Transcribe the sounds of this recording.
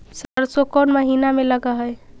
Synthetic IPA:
səɾsokɔnməɦinameləɡəɦəj

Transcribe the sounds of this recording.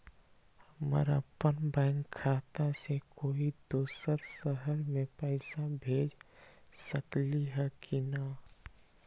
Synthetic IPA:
həmə̰ɾəpːənbɛ̃ːŋkʰːaːt̪asekoːid̪oːsəɾsəɦəɾmẽpəɪsabʱeːd͡ʒsəkliɦɛkʰina

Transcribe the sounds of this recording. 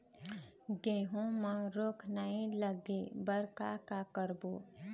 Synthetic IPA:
ɡeːɦõmə̃ɾoːkʰnaɦĩləɡebəɾkakakəɾboː

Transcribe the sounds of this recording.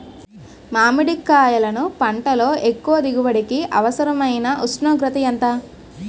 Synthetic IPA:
maːmiɽikːaːjɐlɐnupɐɳʈɐlo̞ːʔekːuʋɐd̪iɡuʋɐɽikiʔɐʋɐsɐɾɐmɐjnɐʔusnoːɡɾɐt̪ɐjɐnt̪ɐ

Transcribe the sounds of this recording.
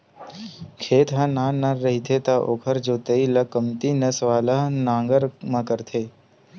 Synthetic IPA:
kʰeːt̪ɦɐ̃nãːnaɾːɐɦit̪ʰet̪aʔoːkʰəɾd͡ʒoːt̪əilɐkəmt̪inɐsʋaːləɦnãːŋɡəɾmãkəɾt̪ʰeː

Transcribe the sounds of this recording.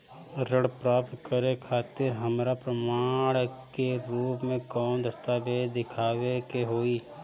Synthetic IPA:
ɾəɽpɾaːpt̪kəɾekʰaːt̪eɾɦəmɾapɾəmaːɽ̃keɾuːpmẽkɔːnd̪ɐst̪abed̪ɪkʰaːʋekeɦoːiː

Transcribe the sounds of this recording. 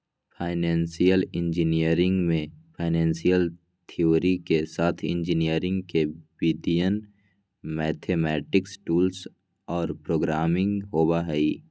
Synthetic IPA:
pʰaːɪnɛ̃ːnsijəlɪ̃nd͡ʒɪnijəɾɪ̃ŋɡmẽpʰaːɪnɛ̃ːnsijəl | t̪ʰioːɾikesaːt̪ʰɪ̰̃nd͡ʒɪnijəɾɪ̃ŋɡkebiːd̪ijən | mɛːt̪ʰeːmɛːʈɪksʈuːls | ɔːɾpɾoːɡɾaːmɪ̃ŋɡɦoːbaɦɛiː

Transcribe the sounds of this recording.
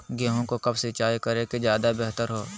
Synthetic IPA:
ɡeːɦõkokɐbsɪt͡ʃaːjkəɾeked͡ʒjaːd̪abeɦt̪əɾɦoː

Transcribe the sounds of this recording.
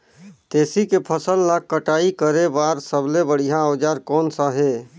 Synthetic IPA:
t̪eːsikepʰəsəlːakːəʈaːikəɾebaːɾsəblebəɽ̤iɦãəːd͡ʒaːɾkɔːnsaɦeː

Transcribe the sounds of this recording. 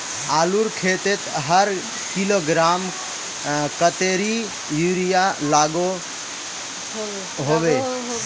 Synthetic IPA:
aluɾkʰet̪et̪ɦəɾ | kiloɡɾam | kət̪eɾi | juɾijalaɡo | ɦobe

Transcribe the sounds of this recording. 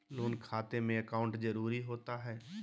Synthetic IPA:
loːnkʰaːt̪emẽəkaːʊ̃ɳʈzəɾuːɾiɦoːt̪aɦɛː

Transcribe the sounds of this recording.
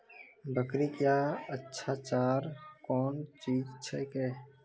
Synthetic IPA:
bʱəkɾikjaːətːʃʰaːt͡ʃaːɾkɔːnt͡ʃiːd͡ʒt͡ʃʰekeː

